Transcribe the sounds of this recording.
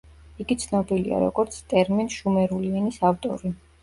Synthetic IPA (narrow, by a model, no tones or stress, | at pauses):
iɡit̪sʰnɔbilia̰ɾɔ̰ɡɔɾt̪sʰt̪ʼɛɾminʃumɛɾuliɛnisaft̪ʼɔ̰ɾi